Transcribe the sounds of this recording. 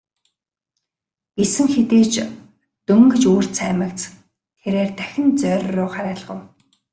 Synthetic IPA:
ɡesɘ̆ŋxet̪eːt͡ɕ | t̪ɵŋɡɵ̆t͡ɕuːr̥t͡sʰæːmə̆kt͡s | t̪ʰeɾeːrt̪æxʲɪ̆nt͡sœrʲrʊːχaɾæːɮʁə̰̆w

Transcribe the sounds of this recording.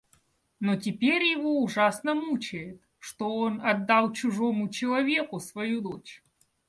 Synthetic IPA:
notʲɪpʲeɾʲjɪvo̞ʊʐasnəmut͡ɕɪjɪt̪ | ʂt̪oonɐd̪ːalˠt͡ɕʊʐo̞mʊt͡ɕɪlˠɐvʲe̞kʊsvɐjud̪ot͡ɕ

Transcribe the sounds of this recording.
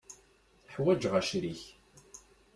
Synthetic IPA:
θəħwæd͡ʒʁæʃɾiç

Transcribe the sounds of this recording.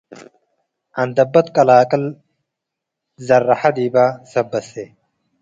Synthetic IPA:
ɐnd̪ɐbːɐt̪kʼɐlaːkʼɐl | zɐrːɐħad̪iːbaːsɐbːɐse

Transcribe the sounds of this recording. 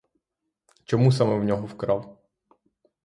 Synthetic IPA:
t͡ʃɔmus̬amɛwnʲɔɦɔwkɾɑw

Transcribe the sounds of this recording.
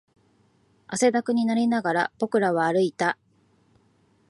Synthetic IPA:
ase̞d̪akɯ̟ɲ̟inaɾʲinaɡaɾab̥o̞kɯ̟ɾaβ̞aːɾɯ̟it̪a

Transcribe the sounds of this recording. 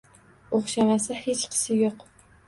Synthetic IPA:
oχʃamasɪhet͡ʃqʰɨ̥sɪjoq

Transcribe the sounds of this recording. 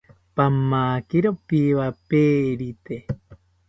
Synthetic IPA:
pamːaːkiɾopiβapeːɾit̪e

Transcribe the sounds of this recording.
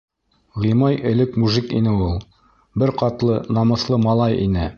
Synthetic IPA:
ʁimɑjɘ̆lɘkmuʒikḭnɘulˠ | bɘɾqɑt̪lˠɤnɑmɤ̆slˠɤmɑlˠɑjʔḭnɘ

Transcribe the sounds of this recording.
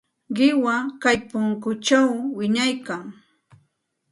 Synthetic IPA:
ɢɪwakajpʊŋkʊt͡ʃawːɪɲajkaŋ

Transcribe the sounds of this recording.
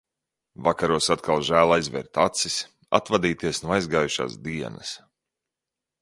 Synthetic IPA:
vakaɾuɔsat̪kʰalˠʒæːlˠajzvɛ̰ɾt̪at̪sis | a̰t̪vad̪iːt̪iɛsnuɔajzɡaːjuʃa̰ːsd̪iɛnɐs

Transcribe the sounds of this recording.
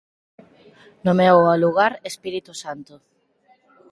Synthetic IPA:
nomɛwaluɣaɾespiɾit̪usant̪ʊ

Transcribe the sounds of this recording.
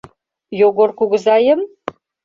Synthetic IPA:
joɣorkuɣə̆zɑjə̆m

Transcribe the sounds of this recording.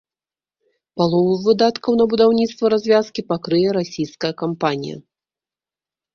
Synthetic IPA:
palˠɔvɨvɨd̪at̪kɐwnɐbud̪awnʲit̪st̪vɐɾazʲvʲaskʲipakɾɨjɛɾasʲijskɐjɐkampanʲḭjɐ̰

